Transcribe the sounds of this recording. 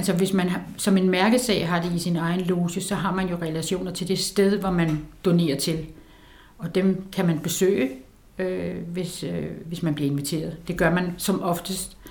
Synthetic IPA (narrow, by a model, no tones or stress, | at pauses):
ælsɒʋe̝smæn | sɒ̽me̝nmæɐɡ̥ð̩ˠsɛ̰ɪɦɑ̈d̥e̝isinɑ̈ɪn̩lo̝ːsəsɒ̽ɦɑ̈mænjo̝ʁɛlæɕo̝̰ːnɐt͡sʰe̝ld̥e̝sd̥eð̞ˠʋɒmænd̥one̝̰ːɐt͡sʰe̝l | ɒ̽d̥emkʰæmænb̥e̝sø̰ːɪə | øʋe̝søʋe̝smænb̥liɐe̝nʋit͡sʰe̝̰ːɐð̞̩ˠd̥e̝ɡ̥ɶɐmænsɒ̽mɒ̽fd̥əsd̥